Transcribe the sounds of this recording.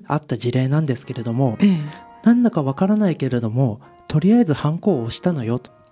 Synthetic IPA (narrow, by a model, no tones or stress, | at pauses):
at̪ːaʑiɾe̞ːnãnd̪e̞sɨ̥ke̞ɾe̞d̪o̞mo̞nãnd̪akaβakaɾanaike̞ɾe̞d̪o̞mo̞ | t̪o̞ɾʲiaizɨhãŋko̞ːɕi̥t̪ano̞jo̞t̪o̥